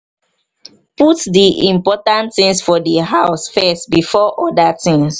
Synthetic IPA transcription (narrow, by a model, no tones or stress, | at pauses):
putdiʔĩmpɔtãntθĩŋsfɔdəɦaʊsfɛstbifɔʔɔdatĩŋs